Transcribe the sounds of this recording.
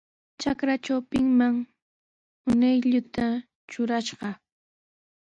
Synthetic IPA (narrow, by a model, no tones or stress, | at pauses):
t͡ʃakɾat͡ʃawpɪŋmaŋ | ʊnajʎʊt̪a | t͡ʃʊɾaʃɢɑ